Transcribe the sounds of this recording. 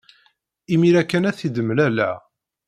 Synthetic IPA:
imiɾækːænæθid̪əmːəlælæ̰

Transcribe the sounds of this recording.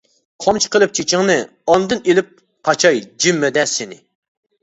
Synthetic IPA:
qʰɑmt͡ʃʰi̥qəlˠɨp̚t͡ʃʰit͡ʃʰɪŋnɨ | ɑnd̪ɨnelɪp̚ | qʰɑt͡ʃʰɑjd͡ʒimːɛd̪ɛsɪnɪ

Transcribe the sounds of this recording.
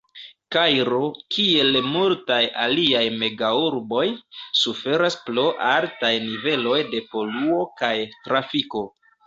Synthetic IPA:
kajɾo̞kʰie̞lmultajaliajme̞ɡauɾbo̞jsufe̞ɾasplo̞ʔaltajnive̞lo̞jde̞po̞luo̞kajtɾafiko̞

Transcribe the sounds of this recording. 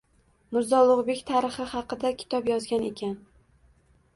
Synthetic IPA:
mɪɾzɒlˠʊʁbe̞kʲt̪ʰaɾɨχɨhɑqɨd̪akʲʰɪ̥t̪ʰɒpjɒzɡʲane̞kʲan

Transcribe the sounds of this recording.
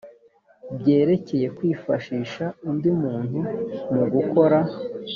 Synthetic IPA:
bɟe̞ːɾe̞ce̞je̞kwiːfaʃiːʃaundimuːnhumuɡuko̞ɾa

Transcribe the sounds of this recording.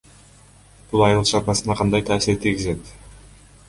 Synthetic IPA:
b̥ulˠɑjɯlˠt͡ʃɑɾbɑsɯnɑqʰɑnd̪ɑjt̪ʰaːsiɾt̪ʰilɡizet̪

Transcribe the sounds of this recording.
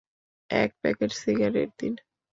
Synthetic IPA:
ɛ̰k̚pɛ̰ked͡ʒsiɡaɾḛɾd̪in

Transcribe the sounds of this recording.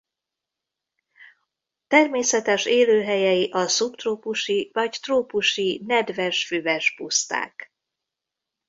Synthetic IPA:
t̪ɛrmeːsɛt̪ɛʃeːløːɦɛjɛjiʔɒsupt̪roːpuʃivɒɟt̪roːpuʃinɛd̪vɛʃfyvɛʃpust̪a̰ːk

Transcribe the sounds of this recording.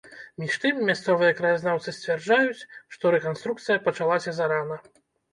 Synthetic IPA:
mʲiʂt̪ɨmːʲast̪sɔvɨjɐkɾɐjaznawt̪sɨsʲt͡sʲvʲard͡ʐajut͡sʲʂt̪ɔɾɛkanst̪ɾuk̚t̪sɨjɐpɐt͡ʂalˠasʲɐzaɾanɐ

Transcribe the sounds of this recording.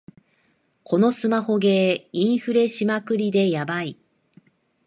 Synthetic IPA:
kʰo̞no̞sɨmaho̞ɡe̞ĩɰ̃ɸɯ̟ɾe̞ɕimakɯ̟ɾʲid̪e̞jabai

